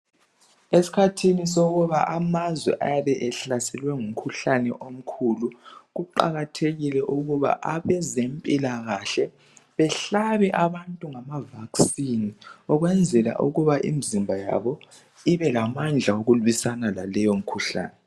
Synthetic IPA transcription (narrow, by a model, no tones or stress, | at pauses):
esi̥kʰatʰinis̬oɣuβaʔamazwɛ̰ʔa̰jaβɛʔɛɬasɛlwɛŋum̩kʰuɬanɛ̰ʔom̩kʰuluɣuǃa̰ɣatʰeɣilɛʔuɣuβa̰ʔaβɛzempʼilaɣaɬɛ | βɛɬaβɛʔaβantʼuŋamavaksiniɔɣwɛnd͡zʱɛla̰ʔṵɣuβaʔḭmizimbʱaja̰βɔ | iβɛlamand͡ɮʱaoɣulwisanalalɛjom̩kʰuɬa̰ːnɛ